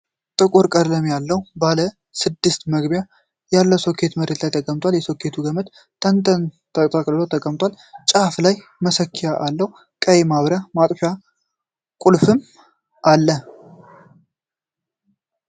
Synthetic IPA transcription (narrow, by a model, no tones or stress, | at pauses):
t̪ʼɨkʼuɾkʼəɾləmjalːəwbalə | sɨd̪ːɨst̪məɡbja | jalːəwsokʰːe̞t̪məɾet̪lajt̪ʰəkʼəmt̪ʼwaljɛsokʰːe̞t̪ʰuɡəmət̪ | t̪ʰənt̪ʰənt̪ʰəkʼt̪ʰʼakʼllot̪ʰəkʼəmt̪ʼwal | t͡ʃʼaflaj | məsəkʰːijaʔalːəwu | kʼəjemaβɾamat̪ʼfja | kʼulfɨm | ʔalːə